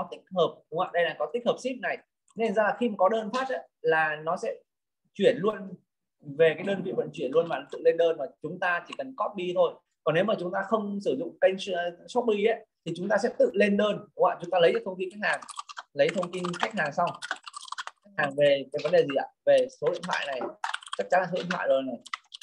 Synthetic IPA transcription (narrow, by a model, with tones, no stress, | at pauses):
kɔ˨˦t̪ï˦˥k̚həː˨˩p̚ɗʊ˨˦ŋ͡ma̰ː˧˨ɗə˧jlaː˨˩kɔ˨˦t̪i˦˥k̟̚həː˨˩p̚si˦˥p̚na˨˩j | ne˧nzaː˧laː˨˩xi˧maː˨˩kɔ˨˦ɗəː˧nfaː˦˥t̚ʔa˨˦laː˨˩nɔ˨˦sɛ̰˧˥ | t͡ɕwi˧˩ənlu˧ən | ve˨˩kaː˨˦jɗəː˧nvḭ˧˨və̰˧˥nt͡ɕwi˧˩ənlu˧ənmaː˨˩ɔ˨˦t̪ɨ̰˧˨le˧nɗəː˧nmaː˨˩t͡ɕʊ˨˦ŋ͡mt̪aː˧t͡ɕi˧˩kə˨˩nkɔ˦˥t̚ɓi˧t̪ʰo˧j | kɔ˨˩nːe˨˦wmaː˨˩t͡ɕʊ˨˦ŋ͡mt̪aː˧xə˧wŋ͡msɨ˧˩zʊ̰˧˨ŋ͡mkə˧jŋsɔ˦˥t̚ɓi˧ʔə˨˦t̪ʰi˨˩t͡ɕʊ˨˦ŋ͡mt̪aː˧sɛ̰˧˥t̪ɨ̰˧˨le˧nɗəː˧nwa̰ː˧˨t͡ɕʊ˨˦ŋ͡mt̪aː˧lə˨˦jza˨˦t̪ə˧ŋ͡mt̪i˧nka˦˥jk̚haː˨˩ŋlə˨˦jt̪ʰə˧wŋ͡mt̪i˧nxa˦˥k̟̚haː˨˩ŋsa˧w | xjk̚haː˨˩ŋve˨˩va˨˦jvə˨˦nɗe˨˩zi˨˩a̰ː˧˩ve˨˩so˨˦ḭ˧˨t̪ʰwa̰ː˧˨jna˨˩jt͡ɕa˦˥t͡ɕa˨˦nlaː˨˩o˨˦ḭ˧˨t̪ʰwa̰ː˧˨zo˨˩na˨˩j